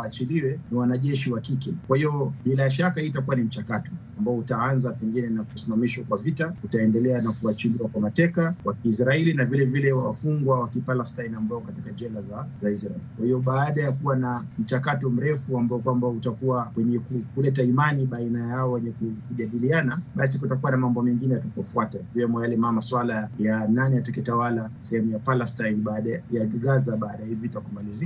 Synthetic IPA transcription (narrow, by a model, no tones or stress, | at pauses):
aːt͡ʃiliwɛniwanaʄɛʃiwakikɛkwahijɔɓilaʃakahitakuwanim̩t͡ʃakatɔ̥ambaɔutaanzapɛŋɡinɛnakusimamiʃɔkwavitautaɛndɛlɛanakuat͡ʃiliwakwamatɛkawakiːsɾaɛlinavilɛvilɛwawafuŋɡwawakipalastainambaɔkatikad͡ʒɛlazazaisɾaɛlikwahijɔɓaːɗajakuwanam̩t͡ʃakatɔm̩ɾɛfuambaɔkwambaɔutakuwawɛɲɛkukulɛtaimaniɓainajaɔwɛɲɛkukuʄaɗilianaɓas̬ikutakuwanamambɔmɛŋɡinɛjatupɔfuatakiwɛmɔjalɛmamaswalajananiatakɛtawalasɛhɛmujapalɛstainɓaːɗajaɡaɡazaɓaːɗajahivitakumalizik